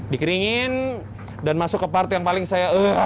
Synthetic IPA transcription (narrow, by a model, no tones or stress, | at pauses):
dikəɾiŋɪn | danmasʊkːəpart̪ijaŋpalɪŋsajaə